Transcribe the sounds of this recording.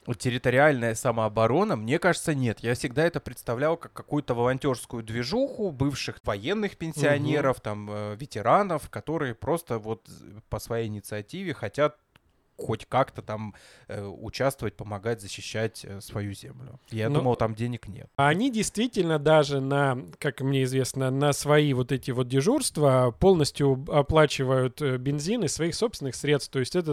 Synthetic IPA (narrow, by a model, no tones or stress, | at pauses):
tʲːɪɾʲɪt̪əɾʲɪalʲnəjəsəməɐbɐɾo̞nəmnʲe̞kaʐɨt̪sənʲe̞t̪jafsʲɪɡ̚d̪aɛt̪əpɾʲɪt̪st̪ɐvlʲalˠkakːɐkujʊt̪əvəlˠɐnʲtʲo̞rskʊjʊd̪vʲɪʐuxʊbɨfʂɨxvɐjenːɨxpʲɪnʲsʲɪɐnʲe̞ɾəft̪aməvʲɪtʲɪɾanəfkɐt̪o̞ɾɨjəpɾo̞st̪əvo̞t̪pəsvɐjejɪnʲɪt̪sɨɐtʲivʲɪxɐtʲat̪̚ | xo̞tʲkakt̪ət̪am | ʊ̰t͡ɕast̪vəvət̚ʲpəmɐɡatʲzəɕːɪɕːætʲsvɐjuzʲemlʲʊ̰jadnuməjʊt̪amdʲenʲɪknʲḛt̪ɐnʲidʲɪjst̪vʲitʲɪlʲnəd̪aʐɨnɐkakmnʲe̞ɪzvʲe̞snənəsvɐivo̞t̪ɛtʲɪvo̞t̪̚dʲɪʐurst̪vəpo̞lˠnəsʲtʲjʊɐplˠat͡ɕɪvəjʊt̪bʲɪnzʲinɨsvɐixso̞psʲɪnɨxsʲɾʲet̪st̪o̞ɪsʲtʲɛt̪ə